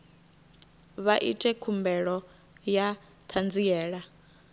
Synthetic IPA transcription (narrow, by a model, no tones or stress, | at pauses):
βaʔḭtʼɛkʰumbɛɺɔ | ja | t̪ʰand͡zijɛːɺa